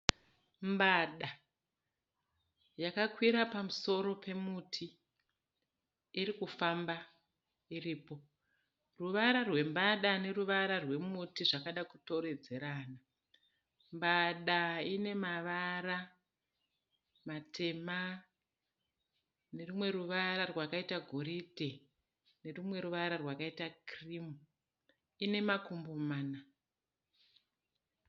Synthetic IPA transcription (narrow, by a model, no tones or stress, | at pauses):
mbaɗa | jakakwiɾapamuso̞ɾo̞pʰe̞mutʰi | ɾikufamba | iriːpo̞ | ruʋaɾarwe̞mbaɗane̞ruʋaɾarwe̞mutiʐakaɗakuto̞ɾe̞d͡ze̞ɾaːna | mbaɗaine̞maʋaɾa | matʰe̞ma | ne̞rumwe̞ɾuʋaɾarwakaitaɡʱoɾidʱe̞ | ne̞rumwe̞ɾuʋaɾarwakaitakrimu | ine̞makumbomaːna